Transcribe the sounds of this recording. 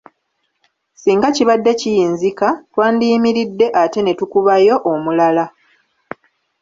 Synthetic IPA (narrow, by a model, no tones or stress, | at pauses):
siːŋɡaciβadːe̞cijiːnzikatwaːndiːmiɾidːe̞ʔate̞ne̞tukuβajo̞ʔomulala